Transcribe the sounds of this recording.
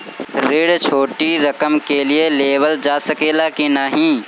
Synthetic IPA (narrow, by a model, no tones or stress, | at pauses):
ɾeɽt͡ʃʰoːʈiɾəkəmkelieleːbəld͡ʒaːsəkeːlakinaɦĩː